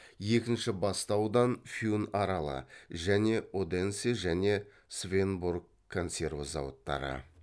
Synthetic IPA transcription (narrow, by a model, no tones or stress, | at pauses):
je̞kʲɪnʃɪbɑst̪ɑwd̪ɑnfʲjunɑɾɑlˠə̰ʒæne̞od̪e̞nseʒæne̞ | svʲe̞nburɡʰo̞nse̞rvozɑ̰wət̪ːɑ̰ɾə̰